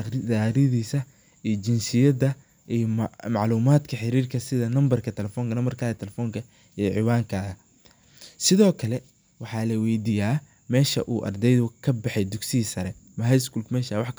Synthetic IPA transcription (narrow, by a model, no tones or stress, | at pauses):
ɪaːɾɪðiːsɐ | ʔijt͡ʃɪnsɪjɐdɐ | ʔijmɑʕluːmaːd̪kʰɐħɪɾiːrkʰɐsɪðɐnɐmbɐrkʰɐt̪ʰɛlɛfɔːŋkʰɐnɐmbɐrkʰaːɣɐt̪ʰɛlɛfɔːŋkʰɐ | iʕɪwaːŋkʰaːɣɐ | sɪðɔːkʰɐlɛ | wɑħɑːlɐwɛjd̪ijaː | mɛːʃɐʔuːʔɐ̰rd̪ɛjðʊkʰɐbɑħɛjd̪ʊɡsɪiːsɐɾɛmɐɦɛjskuːlkmɛːʃaːwɑħk